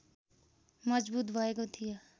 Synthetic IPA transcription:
mʌd͡zbut̪bʱʌekot̪ʰijo

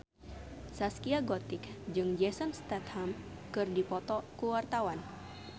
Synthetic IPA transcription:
saskiaɡɔt̪ɪkd͡ʒɨŋd͡ʒɛsɔnst̪ɛt̪ham | kɨrdipɔt̪ɔkuwart̪awan

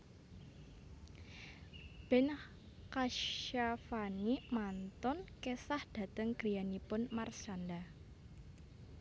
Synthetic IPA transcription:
b̥ɛn | kaʃafanimant̪ɔnkesahd̥a̤t̪əŋɡ̥ɾijanipʊnmart͡ʃanda

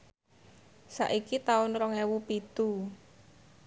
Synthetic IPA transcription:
sa̰ʔikit̪aʊnɾɔŋewupit̪u

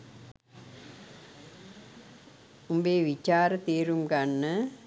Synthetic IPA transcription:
umbeːʋit͡ʃaːɾət̪eːɾumɡanːə

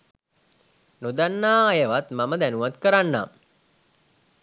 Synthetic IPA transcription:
nod̪anːaːjəʋat̪maməd̪ænuʋat̪kəɾanːa̰

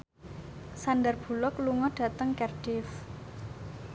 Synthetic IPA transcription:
sandərb̥ṳlɔkluŋɔɖ̥ä̤t̪əŋkɛrɖ̥ɪf

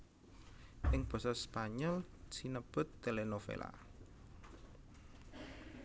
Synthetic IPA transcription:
ʔɪŋb̥ɔ̤sɔspaɲɔlsinəb̥ʊ̤t̪ːelenofḛla̰

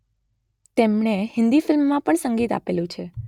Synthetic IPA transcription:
t̪emɳehɪ̃nd̪ifɪlmːãpəɳsəŋɡit̪a̰pelũt͡ʃʰe

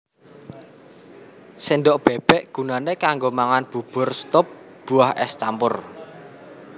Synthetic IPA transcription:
sinɖɔʔb̥ɛb̥ɛʔɡ̥ṳnanekaŋɡomaŋanb̥ub̥ʊ̤rst̪ɔp̚ | b̥uahʔɛst͡ʃampʊr

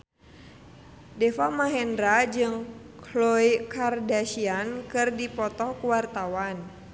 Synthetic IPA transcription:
dɛfamaɦɛndɾad͡ʒɨŋ | klɔjkardaʃiankɨrdipɔt̪ɔkuwart̪awan

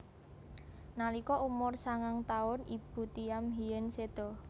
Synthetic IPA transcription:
nalikɔumʊrsaŋaŋt̪aʊnib̥ṳt̪iamɦijɛnsed̪̥ɔ

